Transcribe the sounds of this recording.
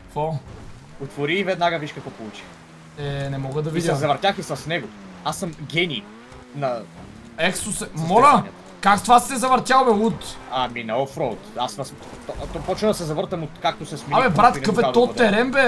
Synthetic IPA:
fo | ot̪voɾiːvɛd̪naɡəviʃkɐkvɔpolˠut͡ʃi̥ | ɛnɛmɔɡəd̪ɐvid̪jzɐvɐɾt̪ʲaxisɐsnɛɡo | asəmɡʲɛnʲi | nɐ | ɛkst̪osɛmɔlə | kakst̪vast̪ɛzɐvɐɾt̪ʲjamɛut̪aminɛɔfɾɔt̪asvɐs | t̪t̪ɔpɔt͡ʃnəd̪ɐsɛzɐvɤɾt̪əmot̪kak̚t̪osɛsmiamɛbɾat̪kəfɛɔt̪ːɛɾɛmbɛ

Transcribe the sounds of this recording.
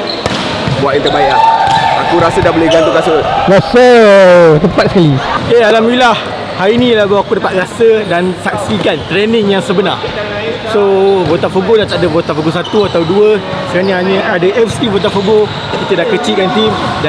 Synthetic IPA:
buat̪int̪əbajaakuɾasədaboleɡant̪ukasəɾasə | t̪əmpat̪̚səkaliealamilah | hainĩlabawakudəpat̪̚ɾasədansak̚sikant̪ɾɛnɪŋjaŋsəbənar | sobot̪afoɡodat̪adəbot̪afoɡosat̪uat̪awduə | səkanĩɦaɲə̃adəʔɛfsibot̪̬afoɡo | kit̪ədakət͡ʃiʔkant̪imda

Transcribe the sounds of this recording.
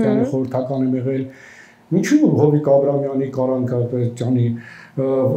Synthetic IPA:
ɑnəχɔɾəɾt̪ʰɑkɑnɛmɛʁɛl | int͡ʃʰuɦɔvikɑbɾɑmjɑnikɑɾɑŋkʰɑpɛt͡sjɑni

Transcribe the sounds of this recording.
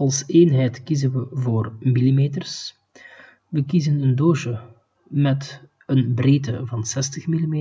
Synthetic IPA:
ɑlˠseːnɦɛjtkizənʋəvoːrmilimeːtərs | ʋəkizənəndoːʃə | mɛt | ənbreːtəvɑnsɛstəxmilimeː

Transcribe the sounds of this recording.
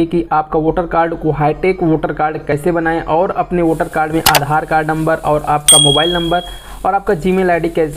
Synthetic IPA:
ekiʔaːp̚kaʋoːʈəɾkaːɾɖkoɦaːiʈeːkʋoːʈəɾkaːɾɖkɛːsebɐnaːẽʔɔːɾɐpneʋoːʈəɾkaːɾɖmẽʔaːd̪ʱaːɾkaːɾɖnɐ̃mbəɾɔːɾaːp̚kamoːbaːɪlnɐ̃mbəɾ | ɔːɾaːp̚kad͡ʒiːmeːlaːɖikɛːs

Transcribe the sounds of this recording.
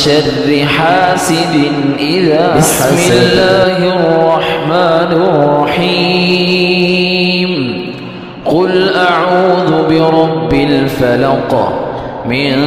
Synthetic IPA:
ʃarːɪħaːsɪd̪ɪ | ʔɪðaː | amlːaːɦrˤːɑħmaːnɪrˤːɑħi | m | qʊlʔaʕuːðʊbɪɾˤɑbːɪlfalɑq | mɪn

